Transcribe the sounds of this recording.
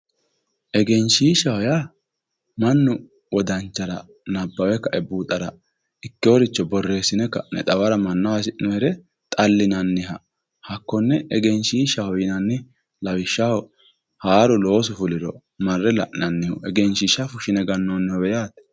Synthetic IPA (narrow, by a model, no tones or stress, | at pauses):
ʔɛɡɛnʃiːʃɐhɔja | mɐnːʊ | wɔd̪ɐnt͡ʃːɐɾɐ | nɐbːɐwɛkːɐʔɛbːuːt̪ʼɐɾɐ̰ | ɪkːɪwɔɾɪt͡ʃːɔbɔrːe̞ːsːɪnɛkːɐnɛ̰t̪ʼɐwɐɾɐmɐnːɐwɐsɪʔnɔɾɛ | t̪ʼɐlːɪnɐnːɪhɐ | hɐkːɔnːɛɛɡɛnʃiːʃɐhɔjɪnɐnːɪ | lɐwɪʃːɐhɔ | haːɾʊlo̞ːsʊfʊlɪɾɔ | mɐrːɛlɐʔnɐnːɪhʊɛɡɛnʃiʃafʊʃɪnɛɡɐnːoːnːɛɔwɛjaːt̪